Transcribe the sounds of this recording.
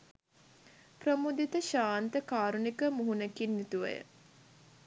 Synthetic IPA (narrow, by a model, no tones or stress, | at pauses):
prəmud̪it̪əʃaːnt̪əkaːɾunikəmuɦunekinːit̪uʋə̰jə̰